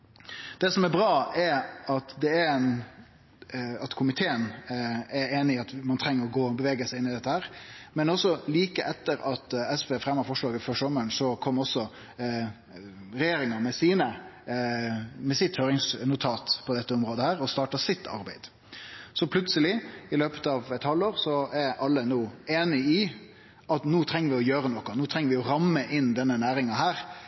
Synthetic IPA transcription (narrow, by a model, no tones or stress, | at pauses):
d̪̥ɛsɔmɛɾbɾɑːɛɾɑt̪d̪ɛæɛn | ɑt̪kʰʊmɪt̪ʰeːənɛɾeːnɪɑt̪mɑnt̪ʰɾɛŋːəɾɔɡoːbəʋeːɡəsæɪɪnːɪd̪ɛt̪ːəhæːɾmɛnɔsːɔliːkəʔɛt̪ːəɾɑt̪ɛspeːfɾɛmːəɾfɔʂɭɑːɡət̪føːʂɔməəɳsɔkʰɔmːɔsɔ | ɾɛjeːɾɪŋɑmɛsiːnə | mɛsɪt̪høːɾɪŋsnʊt̪ʰɑːt̪pʰɔd̪ɛt̪ːəɔmɾoːd̪əhæːɾɔst̪ɑːʈɑsɪt̪ːɑ̰ɾbæɪd̪̥ | sɔpʰlʉt̪səlɪɪløːpə̥t̪ɑːʋɛt̪hɑld̪oːɾsɔæɾɑlːənuːeːnɪɪ | ɑt̪nuːt̪ʰɾɛŋːəɾʋɪɔjøːɾənɔkːʊnuːt̪ʰɾɛŋəɾʋɪɔɾɑmːəʔɪnːd̪ɛnːənæːɾɪŋɑɦæːɾ